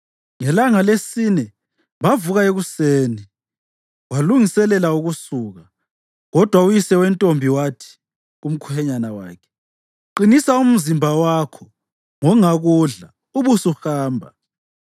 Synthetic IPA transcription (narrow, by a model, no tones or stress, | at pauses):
ŋɛlaŋalesinɛ | βavuɣaeɣuseːni | waluŋisɛlɛlauɣusuɣa | ɣɔd̥ʱwaujisɛwɛntʼombʱiwatʰi̥ | um̩kʰuhɛɲanawa̰ːkʰɛ̥ | ǃinisaum̩zimbʱawakʰɔ | ŋɔŋaɣuɮa | uβusuhaːmbʱa̰